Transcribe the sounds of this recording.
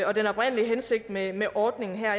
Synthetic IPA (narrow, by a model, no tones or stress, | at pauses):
ɒ̽d̥enɒ̽b̥ʁɛn̰əliɦense̝ɡ̥̚d̥memeʔɒːd̥ne̝ŋn̩ɦæɐ̰